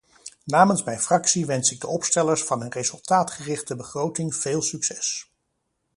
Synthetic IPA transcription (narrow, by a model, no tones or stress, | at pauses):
naːmənsmɛjnfrɑksiʋɛnsɪɡ̚dəɔpstɛləɹsfɑnɦɵnrejzɵlˠtaːtχərɪχtəbəχrowtɪŋv̥eːlˠsyksɛs